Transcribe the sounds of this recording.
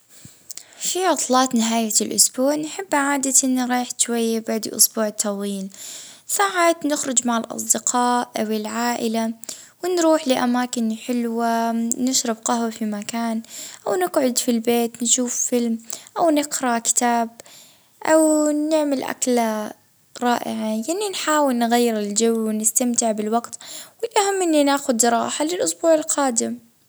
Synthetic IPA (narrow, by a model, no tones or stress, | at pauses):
fiʕʊt̪ˤlɑːt̪nɪɦaːjalʔʊsbuːʕnħɪbːʕaːd̪aʔɪnːɾˤɑːħʃwajːabaʕd̪ʔʊ̰sbuːʕt̪ʰːɑwiːlsaːʕaːt̪nɪxɾʊd͡ʒmaʕɪlʔɑ̰sˤd̪ɪqʰɑːʔʔawɪlʕaːʔɪlawɪnɾuːħlɪʔamaːkɪnħɪlwanɪʃɾɪbqɑhwafimakaːnʔawnɪɡʕʊd̪filbeːt̪nʃuːfːɪlmʔawnɪqɾɑkɪ̥t̪aːb̚ | ʔawnɪʕmɪlʔa̰kla | ɾˤɑːʔɪ̰ʕajanːinħaːwɪlnɣajːɪɾɪld͡ʒawːwɪnɪst̪amt̪ɪʕbɪlwaɡt̪wɪlʔahamːʔɪnːinaːxʊd̪ɾˤɑ̰ːħalɪlʔʊsbuːʕɪlqʰaːd̪ɪm